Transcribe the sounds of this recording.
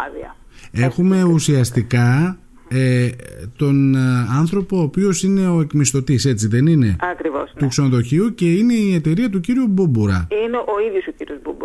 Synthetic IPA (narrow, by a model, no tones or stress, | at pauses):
ɐðiɐ̰ | e̞xume̞usiɐst̪ikɐ | et̪o̞nɐnθɾo̞po̞ːpio̞sine̞o̞e̞kmist̪o̞t̪ise̞t͡siðe̞nine̞ɐkɾivo̰st̪ukse̞noðo̞çiuce̞ine̞iet̪e̞ɾiɐt̪̬uciɾiububuɾɐ̰ineʔo̞iðjosociɾiozbubu